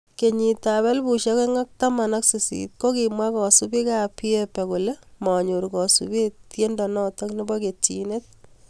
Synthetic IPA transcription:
ke˨ɲi˨taβɛ˦lbu˨ʃe˦ke˦ŋa˦k̚ta˦ma˨na˦ksi˨sḭt̚ko˦ki˨mwa˦kɔ˨su˦bi˦ka˦pi˦ɛ˦pɛ˨ku˨le˦mɔ˨ɲo˨ɾkɔ˨sṵ˨be˦tje˦ndɔ˨nɔ˦tɔ˦kni˦bɔ˦ke˨t͡ʃi˨ne˦t̚

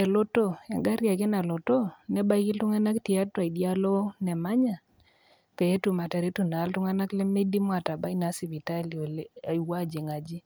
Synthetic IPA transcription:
ɛ˨lɔ˦to˦ɛ̰˨ŋɡa˦ɾja˨kɪ˦na˨lɔ˨to˦nɛ˦ba˦i˦ki˦ltʊ˦ŋa˦na˦kti˨a˦twa˨i˨dja˦lɔ˦nɛ˨ma˦ɲa˨ | ka˨e˦tu˨ma˨ta˨ɾe˦tu˨naː˨˦ltʊ˦ŋa˦na˦kle˦me˦di˦mwa˨ta˨ba˦i˦na˦si˨βi˨ta˦li˨o˨la˨i˨wa˦˨d͡ʒi˨ŋa˨d͡ʒi˦

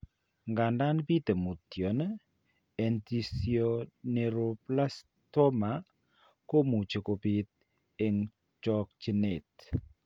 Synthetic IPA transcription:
ŋɡa˨nda˦nbi˦te˨mu˨tjɔ˨n | ɛ˨nti˨sjoɔ˦ne˨ɾo˨pla˦s | tɔ˦ma˨˦ | ko˦mu˨t͡ʃe˨ko˨bi˨t̪̚ | e˨ŋ | t͡ʃɔ˦k̚t͡ʃi˦ne˨t

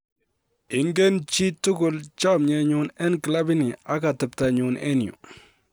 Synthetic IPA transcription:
ɪ˨ŋɡe˦nt͡ʃi˦tːʊ˦kʊ˨lt͡ʃa˦˨mɲɛ˨ɲʊ˦nɛ˦nkla˦bɪ˦nɪ˨a˦ka˨tɨ˨p̚ta˨ɲʊ˨nʔḛ˦njʊ̰˨

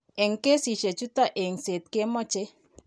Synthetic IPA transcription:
ɛ˨ŋke˦si˨ʃe˨t͡ʃu˦t̪a˦ʔe˨ŋse˨t̪̚ke˦mɔ˦t͡ʃe˦

